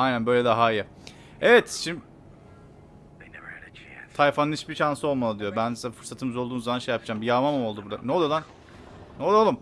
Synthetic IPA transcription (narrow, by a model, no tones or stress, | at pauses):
ajnænbø̞jlʲɛd̪aɦaijɛ | evɛt̪ʃim | enɛvɾt͡ʃt̪ʰajfanɯnit͡ʃbiʃansɯo̞lˠmalˠɯd̪ijobænsafɯɾsat̪ʰɯmɯzolˠuːnzːamanʃejapd͡ʒaːmbijaːmamamo̞lˠd̪ubuɾd̪a̰nːɛlˠalˠan | nɛolˠalˠɯm